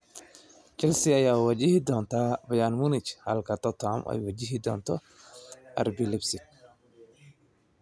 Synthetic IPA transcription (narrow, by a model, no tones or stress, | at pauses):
kɛlsiajawwad͡ʒihid̪ɔnt̪abajanmunit͡ʃha̰lkat̪ɔt̪amʔa̰jwad͡ʒiɦid̪ɔnt̪ɔ | a̰ɾbilɪbsi